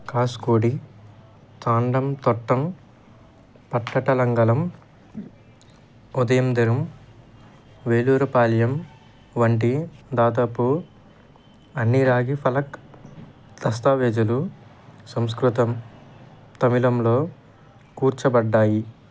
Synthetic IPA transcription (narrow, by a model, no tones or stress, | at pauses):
kaːskoːɽi | t̪aːɳɖɐmt̪ɔʈːɐm | pɐʈːɐʈɐlɐŋɡɐlɐm | ud̪ɐjɐmd̪iɾɐm | ʋeːluːɾɐpaːljɐm | ʋɐɳʈid̪aːd̪aːpu | ɐnːiɾaːɡipʰɐlɐk | d̪̥ɐst̪aːʋɛːd͡ʒɐlu | sɐms̬kɾut̪ɐm | t̪ɐmilɐmlo̞ː | kuːɾt͡ʃɐbɐɖːaːji